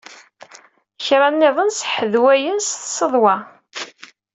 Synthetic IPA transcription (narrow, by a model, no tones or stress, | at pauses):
çɾˤɑnːɪðˤənsħəðwæjənsθsəðˤwɑ